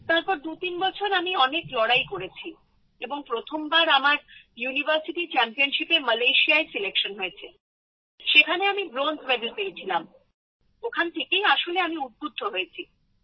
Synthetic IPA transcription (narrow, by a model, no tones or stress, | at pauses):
t̪aɾpɔɾd̪ut̪inbɔt͡ɕʰoɾamiɔneklɔɽajkoɾet͡ɕʰi | eboŋpɾot̪ʰombaɾamaɾjunibəɾsiʈit͡ɕɛmpionʃipeməlajʃiaesilekʃonɦoet͡ɕʰe | ʃekʰaneamibɾond͡ʑʱbed̪ulpeet͡ɕʰilam | okʰant̪ʰekejaʃoleamiud̪̚bʱud̪ʱːoɦoet͡ɕʰi